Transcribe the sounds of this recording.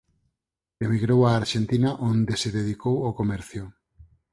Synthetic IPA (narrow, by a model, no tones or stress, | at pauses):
emiɣɾowaːɾʃent̪inaʔond̪eseðeð̞ikowokomɛɾθjʊ